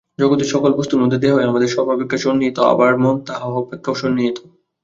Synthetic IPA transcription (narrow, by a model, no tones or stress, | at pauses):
d͡ʑoɡot̪iʃɔkolbost̪uɾmod̪ʱːed̪eɦaɦeamad̪eɾʃɔbʱabikːaʃonːiet̪oa̰baɾmont̪aɦaopekʰːaoʃonːiet̪o̥